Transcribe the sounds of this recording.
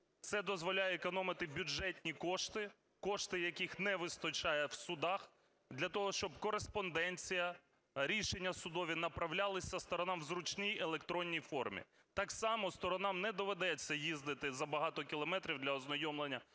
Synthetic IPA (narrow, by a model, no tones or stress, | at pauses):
t̪sɛd̪ɔzʋɔlʲajɛːkɔnɔmɪt̪ɪbʲʊd͡ʒɛtʲnʲikɔʃt̪ɪ | kɔʃt̪ɪjɐkʲixnɛʋɪst̪ɔt͡ʃɑjɛwsʊd̪ɑx | d̪lʲɐt̪ɔɦɔʃt͡ʃɔb̚kɔɾespɔnd̪ɛnʲt͡sʲijɐ | ɾʲiʃenʲːɐsʊd̪ɔʋʲinɐpɾɐwlʲalˠɪsʲɐst̪ɔɾɔnɑmwzɾʊt͡ʃnijelˠekt̪ɾɔnʲːijfɔrmʲḭ | t̪ɑksɑmɔst̪ɔɾɔnɑmnɛd̪ɔʋed̪ɛt͡sʲːɐjizd̪ɪt̪ɪzɐbɐɦɑt̪ɔkʲilˠɔmɛt̪ɾʲiwd̪lʲɐɔznɔjɔmlˠenʲːɐ